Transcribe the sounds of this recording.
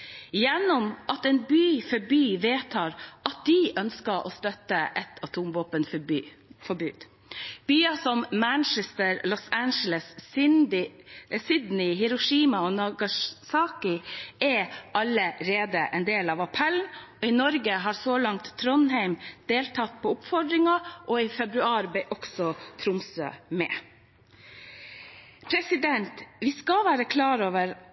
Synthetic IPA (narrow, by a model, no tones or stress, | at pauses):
jɛnːɔmʔɑt̪ɛːnbyːfɔɾbyːʋeːt̪ʰɑːɾʔɑt̪̚d̪ɪʔœnskəʔo̰ːst̪œt̪əʔɛt̪ʰɑt̪ʰumʋoːpənf | fɔɾbʉːd̪̥ | b̥yːɑsɔmmænt͡ʃɛst̪əɾlɔsænʃələsɪsɪd̪nɪɦɪɾʊʂiːmɑonɑɡɑsɑːkɪɛʔɑləɾeːd̪əʔɛnd̪eːlɑʋɑpʰɛlnɔɪnɔɾɡəɦɑːɾsolɑŋt̪ʰːɾɔnɦæɪmd̪̥eːlt̪ʰɑt̪̚pʰɔːʊpfɔɖ̪ɾɪŋɑʔɔifɛbɾʉɑːɾbɛʔɔksɔt̪ʰɾʊmsø̰ːmɛ̰ː | pʰɾɛsɪd̪ɛnt̪ʋɪskɑʋæːɾəkʰlɑːɾoːʋəɾ